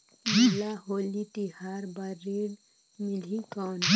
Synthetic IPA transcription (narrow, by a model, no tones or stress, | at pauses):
bʱilaɦoːliʈihaːɾbaɾeːɽ | mɪlikɔːn